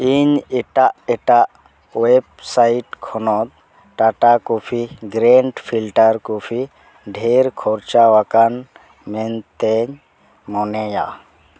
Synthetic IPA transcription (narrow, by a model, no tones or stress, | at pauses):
iɲɛʈaʔɛʈaʔ | web̚sajiʈkʰɔnɔt̪̚ | ʈaʈakupʰiɡɾɛɳɖpʰilʈaɾkupʰi | ɖʱeɾkʰɔɾt͡ʃawakan | mɛnt̪ɛɲ | mɔnɛja̰